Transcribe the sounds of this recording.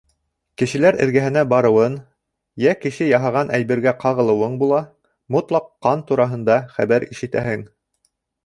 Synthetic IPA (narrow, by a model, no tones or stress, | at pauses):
kɘ̆ʃɘ̆læɾɘ̰̆ɾɡæɦɘ̆næbɑɾɤ̆wɤn | jækɘ̆ʃɘjɑɦɑʁɑnʔæjbɘ̆ɾɡæqɑʁɤ̆lˠɤ̆wɤɴbulˠɑ | mut̪lˠɑqːɑnt̪uɾɑɦɤ̆nd̪ɑχæβæɾiʃɘ̆t̪æ̰hɘŋ